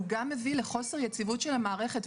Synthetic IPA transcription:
ɡamːe̞vileχo̞se̞ʁjet͡sivutʃe̞lamaːʁe̞χet

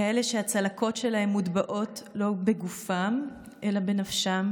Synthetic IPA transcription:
eleʃehat͡salakʰo̞tʃelaɦe̞mːudbaʔo̞tlo̞be̞ɡufam | ʔe̞labe̞nafʃam

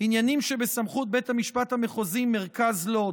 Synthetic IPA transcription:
injanimʃebesamχut̪̚bethamiʃpat̪hameχozimːeʁkazlo̞

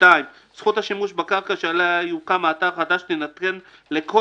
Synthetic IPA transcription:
tajm | sχut̪haʃimuʃbakaʁkaʃealajuqamaːt̪avχad̪aʃnenat̪ɡenlekʰo

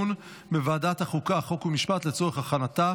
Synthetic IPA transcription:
n | bevaːdathaχukaχo̞kumiʃpat̪let͡so̞ʁeχaχanata

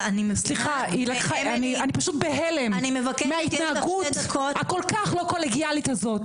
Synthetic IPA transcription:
anisliχa | ilakχaanianipaʃut̪̚beɦelemnimevameait̪naaɡut | kako̞lkaχlo̞koleɡjalit̪hazo̞t̪

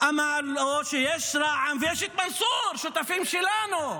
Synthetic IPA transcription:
ʔamaloʃejɛʃɾaʕamvjɛʃet̪̚mansuɾʃut̪afimʃelanu

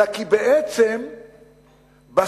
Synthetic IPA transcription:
akibeʔet͡sem | ba

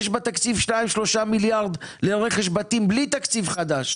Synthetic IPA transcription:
ʃbat̪akt͡sivʃnaimʃlo̞ʃamiljaʁd̪leeʁeχeʃ̬bat̪imblit̪akt͡sivχad̪aʃ

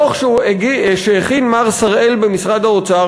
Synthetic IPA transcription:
oχʃ | ʃeeχinmaʁsaʁe̞lbemisʁad̪haot͡sa

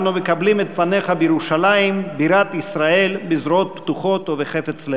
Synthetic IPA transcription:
numekablimet̪fane̞χabejeɾuʃalajimbiɾat̪isɾae̞lbizɾoot̪̚pt̪uχo̞t̪oveχe̞fet͡sle

